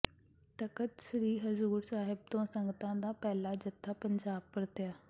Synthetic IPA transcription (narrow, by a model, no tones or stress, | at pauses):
t̪əkət̪ʃɾiːɦəzuːɾsaːɦɪb̚t̪õːsəŋɡt̪ãːd̪aːpɛːlaːd͡ʒət̪ʰːaːpəɲd͡ʒaːb̚pəɾt̪ɪjaː